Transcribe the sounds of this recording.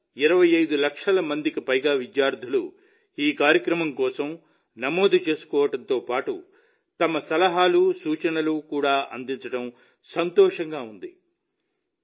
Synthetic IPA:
iɾɐʋɐjɐjd̪ulɐkʂɐlɐmɐnd̪ikipɐjɡaːʋid̪jaːɾd̪ʱulu | iːkaːɾjɐkɾɐmɐmkɔːsɐm | nɐmoːd̪ʱɐt͡ʃe̞ːsu̥kɔːʋɐʈɐnt̪oːpaːʈu | t̪ɐmɐsɐlɐɦaːlusuːt͡ʃɐnɐlukuːɽaːʔɐnd̪int͡ʃɐʈɐm | sɐnt̪ɔːʂɐŋɡaːund̪i

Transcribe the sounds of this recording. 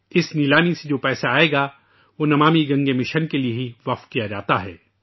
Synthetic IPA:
ɪsnilaːmised͡ʒoːpɛːsaːeːɡa | ʋoːnɐmaːmiɡɐ̃ŋɡemɪ̃ʃɐnkelieɦiʋɐqfkijad͡ʒaːt̪aɦɛ̰ː

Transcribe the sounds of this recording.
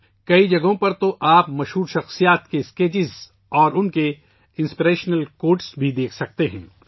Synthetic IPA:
kɐid͡ʒɐɡõpɐɾt̪oʔaːpmɐʃɦuːɾʃɐxsijaːt̪keskeːt͡ʃɪz | ɔːɾʊnke | ɪ̃nspiɾeːʃnəlkoːɾʈsbʱid̪eːkʰsɐk̚t̪eɦɛ̃ː

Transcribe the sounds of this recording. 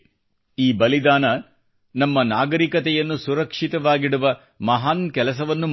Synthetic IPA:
iːbɐlid̪aːnɐ | nɐmːɐnaːɡɐɾikɐt̪ɛjɐnːusuɾɐkʂit̪ɐʋaːɡiɽuʋɐ | mɐɦaːnkɛlɐsɐʋɐnːum

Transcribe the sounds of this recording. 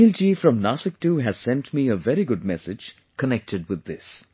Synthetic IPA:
ɪld͡ʒifɾʌ̃mnasɪk̚ʈuɦæz̥sɛ̃nʈmiəvɛɾiɡʊɖ̚mɛsɪd͡ʒ | kʰənɛk̚ʈʰɪɖ̚wɪd̪ːɪs

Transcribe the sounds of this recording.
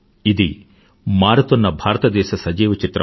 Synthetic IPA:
id̪i | maːɾɐt̪ɐnːɐbʱaːɾɐt̪ɐd̪ɛːʃɐsɐd͡ʒiːʋɐt͡ʃit̪ɾɐ̰

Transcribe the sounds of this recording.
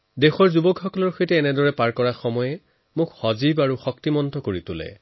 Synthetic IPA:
dexɔɹzubɔkʰɔkɔlɔɹxʰojtɛːnɛdɔɹɛpaɹkɔɹaxɔmɔjɛ | mʊkxɔzibaɹuxɔk̚timɔntɔkoɹitʊlɛ̰

